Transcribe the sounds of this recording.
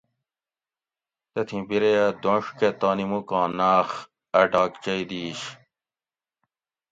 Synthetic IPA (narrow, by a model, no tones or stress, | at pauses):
t̪ɐt̪ʰĩbiɾejad̪õːʂket̪aːnimukɑ̃ːnaːx | ɐʈaːkt͡ɕɐjd̪iːɕ